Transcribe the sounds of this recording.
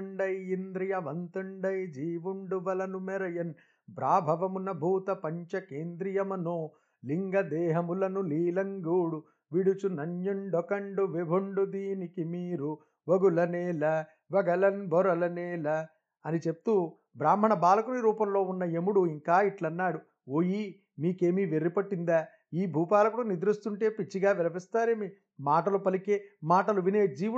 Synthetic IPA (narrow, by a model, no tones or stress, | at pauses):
ɳɖɐjind̪ɾijɐʋɐnt̪ɐɳɖɐjd͡ʒiːʋuɳɖuʋɐlɐnumɛɾɐjɐn | bɾaːbʱɐʋɐmunɐbʱuːt̪ɐpɐɲt͡ʃɐkeːnd̪ɾijɐmɐnoː | liŋɡɐd̪ɛːɦɐmulɐnuliːlɐŋɡuːɽu | ʋiɽut͡ʃunɐɲjuɳɖɔkɐɳɖuʋibʱuɳɖud̪iːnikimiːɾu | ʋɐɡulɐnɛːlɐ | ʋɐɡɐlɐnbʱɔɾɐlɐneːlɐ | ɐnit͡ʃe̞p̚t̪u | bɾaːm̤ːɐɳɐbaːlɐkuniɾuːpɐmlo̞ːunːɐemuɽuiŋkaːiʈlɐnːaːɽu | oːji | miːke̞ːmiːʋeɾːipɐʈːind̪aː | iːbʱuːpaːlɐkuːɽɐnid̪ɾust̪uɳʈe̞ːpit͡ʃːiɡaːʋɛlɐpist̪aːɾeːmi | maːʈɐlupɐlikeːmaːʈɐluʋineːd͡ʒiːu